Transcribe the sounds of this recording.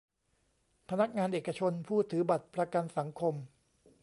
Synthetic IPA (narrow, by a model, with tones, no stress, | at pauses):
pʰa˧na˦˥k̚ŋaː˧nʔeː˨˩kːa˧t͡ɕʰo˧npʰuː˥˩t̪ʰːɯː˩˦ba˨˩t̪̚pɾa˧ka˧nsa˩˦ŋkʰo˧m